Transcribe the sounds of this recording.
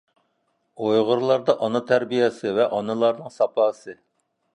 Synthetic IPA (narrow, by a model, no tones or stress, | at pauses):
ojʁʊɾlˠɑɾd̪ɑʔɑnɨt̪ʰæɾbijɛsɨvɛʔɑnɨlˠɑɾnɨŋsɑpɑːsɨ